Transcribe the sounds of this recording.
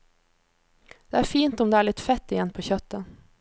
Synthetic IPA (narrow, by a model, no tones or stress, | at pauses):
d̪̥eːæːɾfiːnt̪ɔmd̪eːæːɭɪt̪fɛt̪ːɪjɛnːpʰoːçœt̪ːən